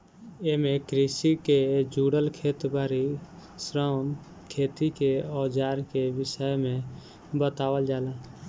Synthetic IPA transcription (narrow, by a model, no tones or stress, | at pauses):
emẽkɾisiked͡ʒuːɽəlkʰeːt̪baːɾi | sɾən | kʰeːt̪ikeɔːd͡ʒaːɾkeʋɪsəjmẽ | bət̪aːwəld͡ʒaːla